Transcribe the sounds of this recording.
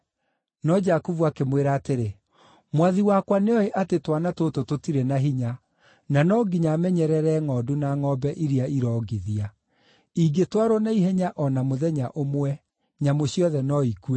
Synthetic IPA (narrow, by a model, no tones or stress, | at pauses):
nɔd͡ʒakuvuakemweɾaːteɾe | mwaðiwakwaneɔeʔatetwanatotototiɾɛnaɦiɲa | nanɔɡiɲamɛɲɛɾɛɾɛŋɔːdunaŋɔbɛʔiɾiaiɾɔɡiðia | iɡetwaɾɔnaiɦɛɲaʔɔnamoðɛɲaʔomwɛ | ɲamoɕiɔðɛnɔikuɛ